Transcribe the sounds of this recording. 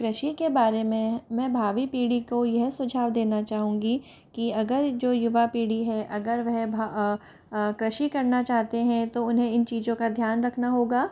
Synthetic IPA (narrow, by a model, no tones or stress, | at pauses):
kɾɐʃikebaːɾemẽmɛ̃ːbʱaːʋipiːɽikojɛɦsʊd͡ʒʱaːʋd̪eːnat͡ʃaːɦũ̆ːɡi | kiɐɡəɾd͡ʒoːjʊʋapiːɽiɦɛʔɐɡəɾʋɐɦbʱa | kɾɐʃikɐɾnat͡ʃaːɦt̪eɦɛ̃t̪oʊnɦẽɪnt͡ʃiːzõkad̪ʱjaːnɾɐkʰnaɦoːɡaː